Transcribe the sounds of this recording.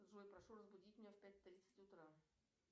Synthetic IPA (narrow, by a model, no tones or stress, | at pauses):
ʐujpɾɐʂurəzbʊdʲitʲmʲɪnʲefʲpʲæt̚ʲt̪ɾʲit̪sə̥tʲʊt̪ɾa